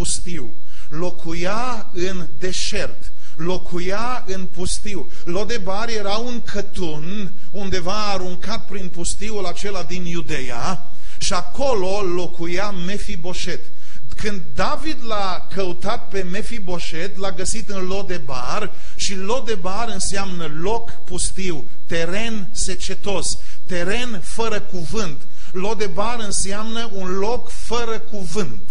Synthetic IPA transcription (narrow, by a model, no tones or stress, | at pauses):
pust̪iw | lo̞kʰuja | ɨnd̪e̞ʃert̪ | lo̞kʰuja | ɨnpust̪iw | lo̞d̪e̞baɾje̞ɾauŋkʰət̪un | und̪e̞vaːɾuŋkat̪̚pɾinpust̪iulat͡ʃe̞lad̪injud̪e̞ja̰ | ʃiako̞lolo̞kuja | me̞fibo̞ʃe̞t̪ | kɨnd̪ːavid̪la | kəut̪at̪̚pe̞me̞fibo̞ʃe̞t̪laɡəsit̪ɨnlo̞k̚d̪e̞bar | ʃilo̞d̪e̞baɾɨnseamnəlo̞k | pust̪iw | t̪e̞ɾe̞n | set͡ʃe̞t̪os | t̪e̞ɾe̞n | fəɾəkuvɨnt̪ | lod̪e̞baɾɨnseamnəunlo̞k | fəɾəkuvɨnt̪